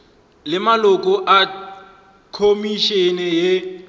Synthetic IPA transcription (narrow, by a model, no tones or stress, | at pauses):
lɪmalʊkʼɔʔa | kʰomiʃɛnɛje